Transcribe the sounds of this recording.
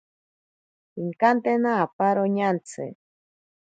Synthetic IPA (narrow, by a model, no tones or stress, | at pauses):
iŋkant̪enaːpaɾoɲant͡sʰɨ̰